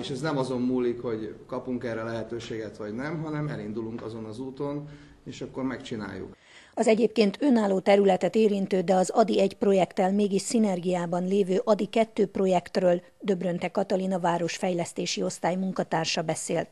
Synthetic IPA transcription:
eʃɛznɛmɒzo̞mmuːlːikho̞ɟkɒpuŋkɛrɛlɛɦɛt̪øːʃeːɡɛt̪ʋɒɟnɛmɦɒnɛmɛlind̪uluŋkɒzo̞nɒzuːt̪o̞n | eːʃɒkːo̞rmɛkt͡ʃina̰ːjːṵk | ɒzɛɟeːp̚keːnt̪ʰø̞naːlːoːt̪ɛɾylɛt̪ɛt̪eːɾint̪øːd̪ɛɒzɒd̪iɛɟpro̞jɛkt̪ɛlmeːɡiʃsinɛrɡijaːbɒnleːvøːʔɒd̪ikɛt̪ːøːpro̞jɛkt̪røːl | d̪ø̞brønt̪ɛkɒt̪ɒlinɒvaːɾo̞ʃfɛjlɛst̪eːʃio̞st̪aːjmuŋkɒt̪aːrʃɒbɛseːlt̪

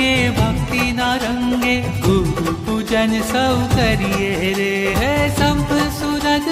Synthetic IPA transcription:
ebʱɐŋkinaɾɐŋɡe | uupud͡ʒɐnsəkɐɾijeɾeɦesɐmpsunɐd͡ʒ

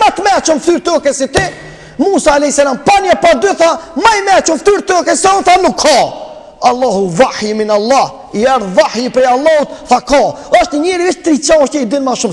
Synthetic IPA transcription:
mat̪mɛt͡ʃɔmfθyɾt̪ɔkɛsit̪i | muːsaːlɛhisalampanjapad̪yθamajmɛt͡ʃumfθyɾt̪ɔkɛsɛunθanukʰːɔ | alˠːaɦuvaħjminalˠˤːah | iɛɾðvaħjipɾɛjalˠːɑhut̪θakɔ | ɔʃt̪ɲəɲɛɾiviʃt̪ɾit͡ʃaʃtəid̪inmaʃum

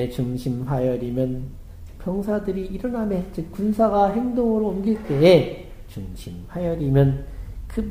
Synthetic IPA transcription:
et͡ɕuŋɕʰimɸajʌɾimjʌn | pʰjʌŋsʰadɯɾiiɾʌnɦamet͡ɕɯkkunsʰaɡaɦe̞ŋdoŋɯɾoːmɡiɭt͈e̞e | t͡ɕuŋɕʰimɸajʌɾimjʌnkɯb

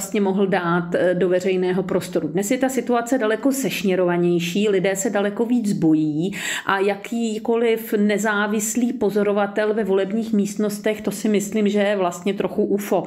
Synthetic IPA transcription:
st̪ɲɛmo̞ɦl̩daːt̪do̞vɛr̝ɛjnɛːɦo̞pɾo̞st̪o̞ɾudnɛsjɛt̪asɪt̪uat͡sɛdalɛko̞zɛʃɲɛɾovaɲɛjʃiːlɪdɛːsɛdalɛko̞viːd͡zbo̞jiːʔajakʰiːko̞lɪfnɛzaːvɪsliːpo̞zo̞ɾo̞vat̪ɛlvɛvo̞lɛbɲiːxmiːst̪no̞st̪ɛxt̪o̞sɪmɪsliːmʒɛjɛvlast̪ɲɛt̪ɾoxuʔufo̞

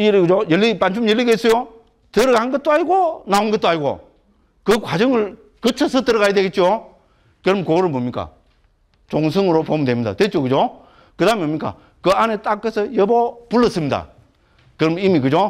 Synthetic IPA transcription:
iɾɯɡɯd͡ʑojelːipand͡ʑʰumjelːiɡes͈ʌjo | tɯɾʌɡanɡʌt̚t͈oaɲiɡonaonɡʌt͈̚oaɲiɡo̰ | kɯkwad͡ʑʌŋɯɭ | kɯt͡ɕʰʌsʰʌtɯɾʌɣajadweɡet̚t͡ɕo | kɯɾʌmkoɾɯɭbomɲik͈a̰ | t͡ɕoŋs̬ʰɯŋɯɾopomndwemɲid̪a̰t̪wet̚t͡ɕokɯd͡ʑo | kɯdambomɲik͈a̰ | kɯanet͈ak͈ːesʰʌjʌbopuɭːʌs͈ɯmɲida̰ | kɯɾʌmimikɯd͡ʑo

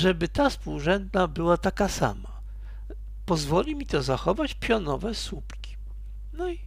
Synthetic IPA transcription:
ʐɛbɘt̪aspuwʐɛnd̪nabɘwat̪akasa̰ma | pɔzvɔlʲimʲit̪ɔzaxɔvat͡ɕpʲjɔnɔvɛsupkʲi̥ | nɔi

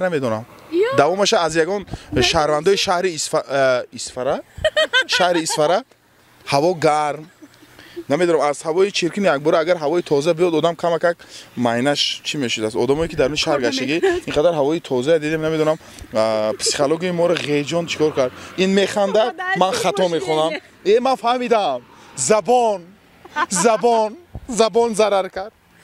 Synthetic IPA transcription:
named̪ɔnam | d̪avɔmaʃaːzjaɡɔnʃahɾvand̪ɔiʃahɾi | isfaɾa | ʃahɾiːsfaɾa | havɔɡaɾm | name̞d̪ɔnamazhavɔit͡ʃʰiɾkʰinijak̚bɔɾaːɡaɾɦavɔit̪ʰɔzabijɔd̪ɔd̪amkʰamakakmainaʃt͡ʃʰimeʃud̪as̬t̪ɔd̪amɔikid̪aɾminʃaɾɡaʃt̪aɡiiŋqʰad̪aɾɦavɔit̪ʰɔzaad̪id̪emnameɔnam | pʰsi̥χoloɡiimɔɾaʁed͡ʒɔnt͡ʃʰi̥kʰɔɾkʰaɾd̪inmeχand̪ad̪manχat̪ɔmeχɔnam | emanfahmid̪am | zabɔn | zabɔnzabɔnzaɾaɾkʰaɾd̪̥̚

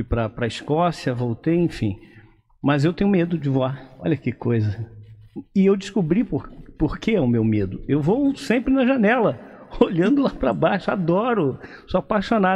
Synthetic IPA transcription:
ujpɾɐpɾɐiskɔsiɐvowt̪ejẽfḭ̃ | mɐzewt̪ẽɲʊmed̪ʊd͡ʒɪvoaɔ̰ʎɐkɪkojzɐ | ɪewd͡ʒɪskubɾipoɾpoɾkeɛʊmewmed̪ʊewvowsẽmpɾɪnɐʒɐnɛlɐoʎɐ̃nd̪ʊlapɾɐbaʃʊad̪ɔɾʊsuapaʃona

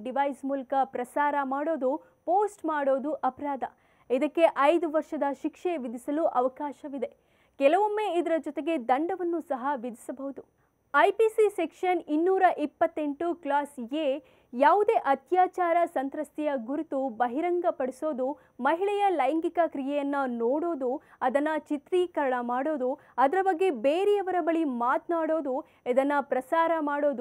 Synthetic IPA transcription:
ɖiʋɐjsmuːlɐkɐpɾɐsaːɾɐmaːɽo̞ːd̪u | poːsʈmaːɽo̞ːd̪uʔɐpɐɾaːd̪ʱɐ | id̪ɐkːe̞ʔɐjd̪uʋɐɾʂɐd̪ɐʃikʂeʋid̪ʱisɐluʔɐʋɐkaːʃɐʋid̪e̞ | kɛlɐʋomːe̞ːid̪ɐɾɐd͡ʒɔt̪eɡe̞d̪ɐɳɖɐʋɐnːusɐɦɐʋid̪ʱisɐbɐɦud̪u | ɐjpisisekʂɐninːuːɾɐʔipːɐt̪ːe̞ɳʈuklaːse | jaːʋud̪e̞ːʔɐt̪jaːt͡ʃaːɾɐsɐnt̪ɾɐst̪ijɐɡuɾut̪ubɐɦiɾɐŋɡɐpɐɽiso̞ːd̪u | mɐɦiɭɛjɐlɐjŋɡikɐkɾijɛjɐnːɐnoːɽo̞ːd̪uɐd̪ɐnːɐt͡ʃit̪ɾiːkɐɾɐɳɐmaːɽo̞ːd̪u | ɐd̪ɐɾɐbɐɡːebeːɾɛjɐʋɐɾɐbɐɭimaːt̪naːɽo̞ːd̪u | id̪ɐnːɐpɾɐsaːɾɐmaːɽo̞ːd̪u

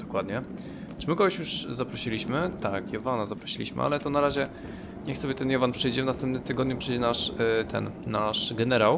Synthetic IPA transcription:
d̪̥ɔkwad̪ɲɛ | t͡ʂɘmɘkɔɡɔɕjuʐzapɾɔɕilʲiɕmɘt̪akjɔvanazapɾɔɕilʲḭɕmɘ̰ʔa̰lɛt̪ɔnaɾaʑɛ | ɲɛxsɔbʲjɛt̪ɛnjɔvanpʂɘjd͡ʑɛvnast̪ɛmpnɘmt̪ɘɡɔd̪̚ɲupʂɘjd͡ʑɛnaʂt̪ʰɛ̰nːaʂɡɛnɛɾaw

